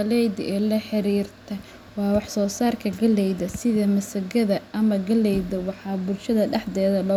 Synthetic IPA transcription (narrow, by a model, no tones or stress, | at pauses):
ɐlɛjdɛːlɐħɪɾiːrt̪ʰɐ | wɑːwɑħsɔːsaːrkʰɐɡɐlɛjðɐsɪðɐmɐsɐɡɐðɐʔɐmɐɡɐlɛjðɐwɑħɑːbʊlʃɐðɐɖɛħðɛːðɐlɔ